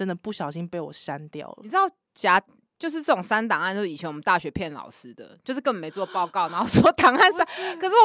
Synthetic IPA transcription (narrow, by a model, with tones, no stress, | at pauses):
ə˦nd̪ə˨˩pu˥˨˩ɕjɑ˨˩ʊɕi˦ŋpe˥˩ɪwɔ̰˨˩sa˦nt̪jɑ̰˥˨˩ʊ˩˨˩ɻ̩˥ɑ˥˩ʊ | t͡ɕja˧˥ | t͡ɕjo˥˧ʊʂ̬̩˥˧t͡sɤ˥˩ʊ˨˩ŋsa˥nt̪ɑ˨˩ŋ˥˧nt͡ɕjo˥˧˩i˨˩t͡ɕʰɛ˧˦ŋwə˦nt̪a˥˩ɕɥɛ˧˥pʰjɛ˥˩nlɑ̰˨˩ʊʂɻ̩˥d̪ə̰˨˩t͡ɕjo˥˧ʊʂ̬ɻ̩˥˩kə˥˩ŋme˧˥ɪt͡swɔ˥˧pɑ˥˧ʊkɑ˥˨ʊna˧˦xo˥˧ʊsɔ˥t̪ɑ˨˩ŋa˥˨nsa˥kʰə˨˩ʂɻ̩˥˩˨